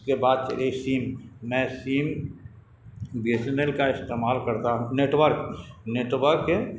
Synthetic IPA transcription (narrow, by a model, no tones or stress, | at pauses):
kebaːd̪̚t͡ʃə̰ɾesiːmːɛ̃ːsiːm | bisnelkaɪst̪eːmaːlkɐɾt̪aɦũneːʈʋəɾkneːʈʋəɾke